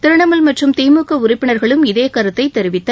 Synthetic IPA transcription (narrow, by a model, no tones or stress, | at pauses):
t̪ɪɾɯɳɐmɐlmɐʈrɯmt̪eːmɯkːɐʊrɪpːɪɳɐɾɣɐɭɯmɪðeːkɐɾɯt̪ːɐɪt̪ːɛɾɪʋɪt̪ːɐ